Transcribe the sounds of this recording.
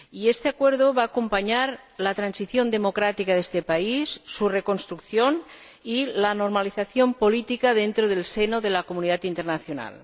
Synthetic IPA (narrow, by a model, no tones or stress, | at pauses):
iest̪eakweɾðoβaːkompaɲaɾ | lat̪ɾansiθjond̪emokɾat̪ikaðest̪epaisːurekonst̪ɾukθjon | ilanoɾmaliθaθjompolit̪ikaðent̪ɾoð̞elsenoðelakomuniðat̪int̪eɾnaθjona̰l